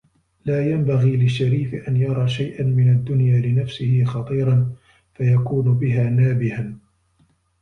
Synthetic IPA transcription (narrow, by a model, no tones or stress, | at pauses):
laːjambaɣiːlɪʃːaɾiːfɪʔanjɑɾˤɑːʃajʔanmɪnad̪ːʊnjaːlɪnafsɪhɪxɑt̪ˤiːɾˤɑn | fajakuːnʊbɪɦaːnaːbɪhan